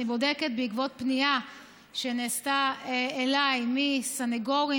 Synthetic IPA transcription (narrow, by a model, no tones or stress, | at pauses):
ibo̞d̪eke̞t̪̚beikvo̞t̚pnia | ʃeneːst̪aeelajmisaneɡo̞ʁi